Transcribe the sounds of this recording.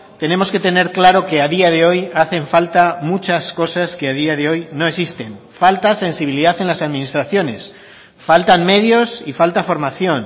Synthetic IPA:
t̪e̞nẽ̞mo̞ske̞t̪e̞ne̞ɾklaɾo̞ke̞að̞iaðe̞o̞jaθe̞ɱfalt̪amut͡ʃasko̞saske̞að̞iaðe̞o̞jno̞esist̪e̞n | falt̪ase̞nsiβ̞iliðaθe̞nlasaðmĩnist̪ɾaθjo̞ne̞s | falt̪anme̞ð̞jo̞sifalt̪afo̞ɾmaθjo̞n

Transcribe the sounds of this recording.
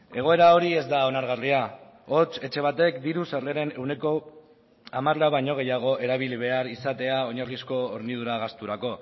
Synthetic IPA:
e̞ɣ̞o̞e̞ɾao̞ɾie̞zd̪ao̞naɾɣaria | o̞t͡se̞t͡ʃe̞β̞at̪e̞kd̪iɾusaɾleɾe̞ne̞wne̞ko̞ | amaɾlaβajɲo̞ɣ̞e̞jaɣ̞o̞ʔe̞ɾaβ̞iliβ̞e̞aɾisat̪e̞ao̞ɲarlisko̞oɾniðuɾaɣ̞ast̪uɾako̞

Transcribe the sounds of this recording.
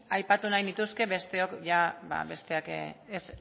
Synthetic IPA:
ajpat̪unajnit̪uske̞βe̞st̪e̞o̞kʝaba̰be̞st̪e̞akes

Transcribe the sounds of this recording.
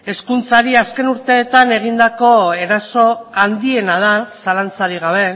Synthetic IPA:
e̞skunt͡saɾiaske̞nuɾt̪e̞ːt̪ane̞ɣ̞ind̪ako̞e̞ɾaso̞and̪ie̞nað̞asalant͡saɾiɣ̞aβ̞e̞

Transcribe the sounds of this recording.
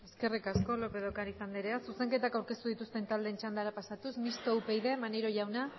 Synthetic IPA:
e̞ske̞rikasko̞lo̞pe̞ðokaɾisand̪eɾeasuse̞ŋke̞t̪akawɾke̞st̪uðit̪ust̪e̞nt̪ald̪e̞ːnt͡ʃand̪aɾapasat̪usmist̪oupe̞jðe̞maneɾo̞ʝawna

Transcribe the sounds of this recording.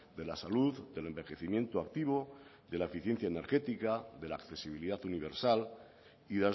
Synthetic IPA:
d̪e̞lasaluðd̪e̞le̞mbe̞xe̞θimje̞nt̪oak̚t̪iβo̞ | ðe̞laefiθje̞n̟θjaene̞ɾxe̞t̪ikaðe̞laːkθe̞siβ̞iliðatuniβ̞eɾsal | iða

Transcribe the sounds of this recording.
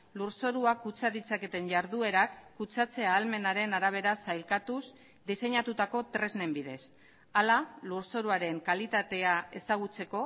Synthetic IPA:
luɾso̞ɾuakut͡saðit͡sake̞t̪e̞ɲʝaɾðue̞ɾakːut͡sat͡se̞aːlme̞naɾe̞naɾaβ̞e̞ɾasajlkat̪us | d̪ise̞ɲat̪ut̪ako̞t̪ɾe̞zne̞mbiðe̞s | alaluɾso̞ɾuaɾe̞ŋkalit̪at̪e̞ae̞saɣut͡se̞ko̞

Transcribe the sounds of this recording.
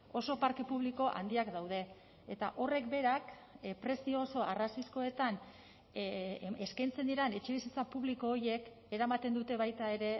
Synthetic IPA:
o̞so̞paɾke̞puβ̞liko̞ʔa̰nd̪iakd̪awð̞e̞ | et̪aʔo̞re̞kbe̞ɾak | pɾe̞sioːso̞arasisko̞e̞t̪an | eskajnt͡se̞nd̪iɾene̞t͡ʃe̞βisit͡sapuβliko̞ːɾje̞k | e̞ɾamat̪e̞nd̪ut̪e̞βajt̪ae̞ɾe̞

